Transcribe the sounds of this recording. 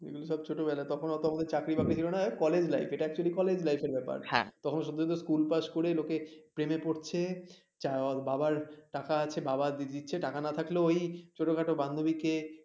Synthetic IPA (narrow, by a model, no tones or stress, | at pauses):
ḛɡuloʃɔbt͡ɕʰoʈobɛlat̪ɔkʰonoɔt̪oamad̪eɾt͡ɕakɾibʱabit͡ɕʰilonakɔled͡ʑlajfeʈaɛk̚t͡ɕualikɔled͡ʑlajfeɾbɛpa̰ɾhɛ̰̃t̪ɔkʰonoʃot̪ːoot̪oskulpaʃkoɾelokepɾemepoɾt͡ɕʰe | t͡ɕababaɾʈakaat͡ɕʰebabad̪id̪itːɕʰeʈakanat̪ʰakloojt͡ɕoʈokaʈoband̪ʱobike